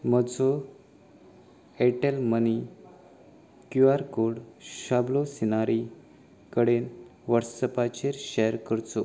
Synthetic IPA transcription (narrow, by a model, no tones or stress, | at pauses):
məd͡zʱo | eʈelməni | kjuaɾkoɽɕablosinaɾi | kəɽenʋəɾsəpat͡ɕeɾɕejəɾkəɾt͡s̪o